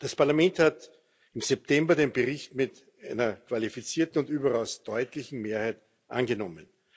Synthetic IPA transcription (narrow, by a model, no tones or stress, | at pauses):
d̥aspaɐlamɛnthat | ɪmzɛp̚tʰɛmbɐdeːnbəʁɪçtmɪt | ʔaɪnɐkʰv̥alifit͡siːɐtn̩ʊntyːbɐʁaʊsd̥ɔʏtlɪçn̩meːɐhæɪt | ʔa̰nɡənɔmən